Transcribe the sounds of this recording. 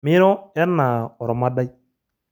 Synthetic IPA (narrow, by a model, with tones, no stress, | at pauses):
mɪ˦ɾɔ˦ɛ˦ɾna˨ɔ˨ɾɔ˨ma˦da˦i˦